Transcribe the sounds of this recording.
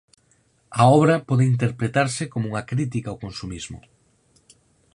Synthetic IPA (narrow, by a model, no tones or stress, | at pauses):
ɐɔβɾɐpɔðɪint̪̬eɾpɾet̪aɾsɪkomouŋɐkɾit̪̬ikaokonsumizmʊ̰